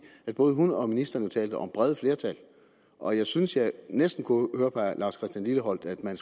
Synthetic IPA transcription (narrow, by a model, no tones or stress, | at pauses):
æd̥b̥ɔ̽ːð̞ˠɦunɒ̽minisd̥ɐnjot͡sʰɛ̰ːld̥əʔɒ̽mb̥ʁɛðˠəfle̝ːɐt͡sʰæl | ʔɒ̽jɑ̈ɪsynsjɑ̈ɪnesd̥n̩kʰuhøːɐpʰɑlɑ̈ːskʰʁɛsd̥jænliləɦɒ̽l̰d̥æd̥mæns